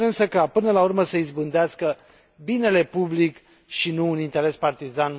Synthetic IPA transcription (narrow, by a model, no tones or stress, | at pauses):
ɨnsəkapɨnəlaurməsəizbɨnd̪easkə | bine̞le̞publik | ʃinuːnint̪e̞ɾe̞spart̪izan